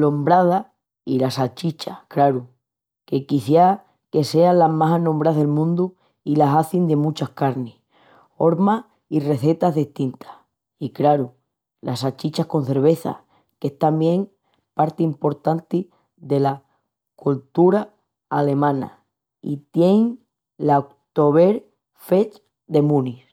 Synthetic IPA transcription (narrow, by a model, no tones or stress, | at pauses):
lombɾað̞a | ilasat͡ʃit͡ʃakɾaɾu | ke̞kiθja | ke̞se̞alamasɦanõmbɾaðe̞lmũnd̪u | ilasaθind̪e̞mũt͡ʃahkaɾne | o̞ɾma | ire̞θe̞t̪aɦðiht̪int̪ḁh | ikɾaɾu | lʔa̰sat͡ʃit͡ʃahko̞n̟θe̞ɾβe̞θa̰ | ke̞ht̪ambje̞ŋ | paɾt̪iimpo̞ɾt̪ant̪i | ðe̞la | kult̪uɾaː | le̞mãna̰ | ḭt̪je̞ŋ | laok̚t̪o̞βe̞ɾ | fe̞t͡ʃ | d̪e̞mũnis